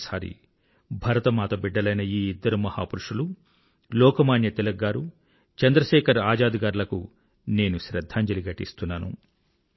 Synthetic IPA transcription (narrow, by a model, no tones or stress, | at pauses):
saːɾḭ | bʱɐɾɐt̪ɐmaːt̪ɐbiɖːɐlɐjnɐiːid̪ːɐɾumɐha̰ːpuɾuʂulu | lɔːkɐmaːnjɐt̪ilɐɡːaːɾu | t͡ʃɐnd̪ɾɐʃɛːkʰɐɾaːd͡ʒaːd̪iɡaːɾlɐkṵ | ne̞ːnuʃɾɐd̪ʱːaːɲd͡ʒɐliɡɐʈːḭst̪unːaːnṵ